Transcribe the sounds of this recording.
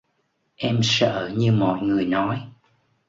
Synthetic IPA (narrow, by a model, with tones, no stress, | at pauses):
ʔɛ˧msə̰ː˧˨ɲɨ˧mɔ̰˧˨jŋɨ˨˩əjnɔ˨˦j